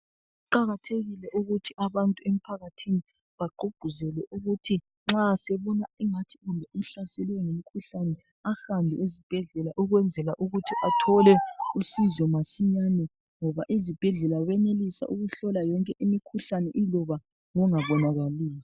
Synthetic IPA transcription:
uǃaɣatʰeɣilɛʔuɣutʰiʔaβantʼuem̩pʰaɣatʰini | βaɡ͡ǃʱuɡ͡ǃ̥ʱuzɛlɛʔuɣutʰi | ŋ͡ǁasɛβɔnaɛŋatʰi̥ɣumbʱɛum̩ɬasɛliwɛŋemikʰuɬanɛ | ahambʱɛ̰ezib̥ʱɛɮɛlaʔuɣwɛnd͡zʱɛlaʔuɣutʰiʔatʰɔlɛusizɔmasiɲanɛ | ŋɔβaʔizib̥ʱɛɮɛlawɛnelisa̰ʔuɣuɬɔlajɔŋkʼɛʔimikʰuɬanɛʔilɔβa | ŋɔŋaβɔnaɣaliːjɔ

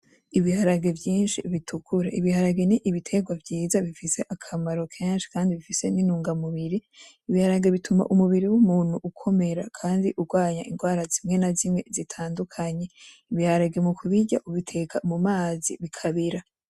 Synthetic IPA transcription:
iβihaɾaɡe̞vjiːnʃḭβitʰukʰuɾeʔiβihaɾaɡeniʔiβitʰe̞ɡwavjiːzaβifise̞ʔakʰamaɾo̞kʰeːnʃi̥kaːndiβifise̞ninuːŋɡamuβiɾi | iβihaɾaɡe̞βitʰuma̰ʔumuβiɾiwumuːn̥huʔukʰo̞me̞ɾakʰaːndiʔuɡwaːɲa̰ʔinɡwaːɾazimŋe̞nazimŋe̞zitʰaːndukʰaɲe̞ | iβihaɾaɡe̞mukʰuβiɟa̰ʔuβitʰe̞kamumaːziβikʰaβiɾa

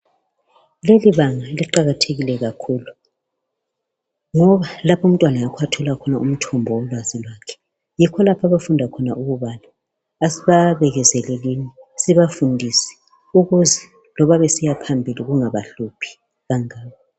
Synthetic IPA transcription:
leliβaŋaliǃaɣatʰeɣilɛɣakʰuːlu | ŋɔβalapʰum̩tʼwanajakʰwatʰɔlakʰɔnaum̩tʰɔmbʱɔwɔlwazilwakʰɛ̥ | jikʰɔlapʰaβafundʱakʰɔnaʔuɣuβanaː | siβaβɛɣɛzɛlɛlinisiβafundʱisɛ̥ | uɣuzɛ | lɔβaβesijapʰambʱiliɣuŋaβaɬupʰi̥ | ɣaŋaːβa

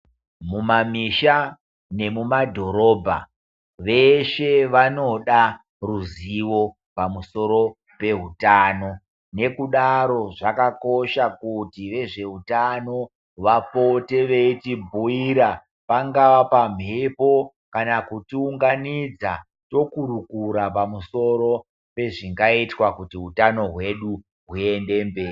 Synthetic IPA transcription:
mumamiʃa | ne̞mumadʱo̞ɾo̞ːbʱa̰ | ʋeʃe̞ʋano̞ɗa | ruziʋo̞ | pamuso̞ɾo̞ | pe̞ɦutaːno̞ | ne̞kuɗaɾo̞ʐakako̞ʃakutiʋe̞ʐe̞ɦutano̞ | ʋapo̞te̞ʋe̞itibʱuiɾa | paŋɡaʋapam̤epo̞ | kanakutiuŋɡanid͡za | to̞kuɾukuɾap̬amuso̞ɾo̞ | pe̞ʐiŋɡaitwakutiɦutano̞ɦwe̞ɗu | ɦue̞nde̞mbe̞ːi

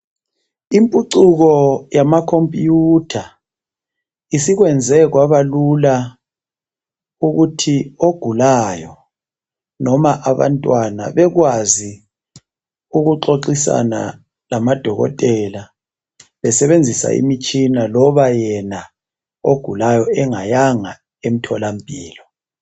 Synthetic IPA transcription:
impʼuǀuɣɔjamakʰompʼjutʰa | isiɣwɛnd͡zʱɛɣwaβalula | uɣutʰioɡ̥ʱulaːjɔ | nɔmaʔaβa̰ntʼwana̰βɛɣwazi | uɣuǁoǃisa̰na̰ | lamad̥ʱɔɣɔ̰tʼɛla | βɛsɛβend͡zʱisa̰ḭmit͡ʃʼinalɔβajɛna | o̰ɡ̥ʱulajɔɛŋajaŋa | em̩tʰɔlampʼiːlɔ

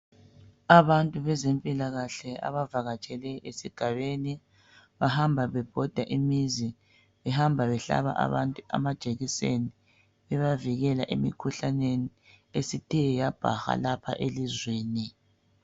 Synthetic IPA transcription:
aβantʼuβɛzempʼilaɣaɬɛa̰βavaɣat͡ʃʼɛlɛesiɡ̥ʱaβeni | βahambʱaβɛb̥ʱɔd̥ʱaʔimizi | βɛhambʱaβɛɬa̰βa̰ʔa̰βantʼua̰mad̥ʒ̥ʱeɣiseni | βɛβaviɣɛlaʔḛmikʰuɬaneni | esitʰʼɛɛjab̥ʱa̰xa̰lapʰa̰ʔelizweːni

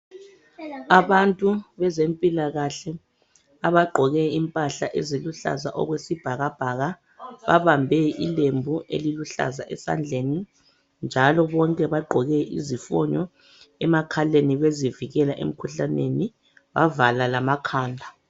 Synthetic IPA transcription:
aβantʼuβɛzempʼilaɣaɬɛ | aβaɡ͡ǃʱɔɣɛimpʼaɬaʔɛziluɬa̰zaʔɔ̰ɣwesib̥ʱaɣab̥ʱaɣa | βa̰βambʱɛḭlembʱuḛliluɬa̰zaʔɛsa̰nd͡ɮʱeni | nd͡ʒʱalɔβɔŋkʼɛβaɡ͡ǃʱɔɣɛʔḭzifɔ̰ɲɔ | ɛmakʰaleniβeziviɣɛlaʔḛm̩kʰuɬaneni | βavalalamakʰaːndʱa

